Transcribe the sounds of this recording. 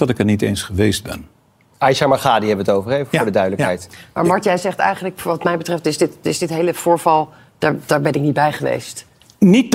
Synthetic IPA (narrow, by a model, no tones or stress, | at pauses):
dɑtɪkətnitejnsχəʋejsd̚bɛ̰n | ajʃamaχaːdiɦɛbəʋətowvəɹejvəfʊːɹdədœɥdələkɦɛjtma̰ɹmɑɹtjɛzɛχtɛ̰jχənləkʋɑtmɛjbətrɛftɪzdɪtɪzdɪtɦejləv̥ʊːɹvɑlˠ | d̥aːɹd̥aːɹbɛnɪk̚nit̚bɛjχəʋḛjst | nit̚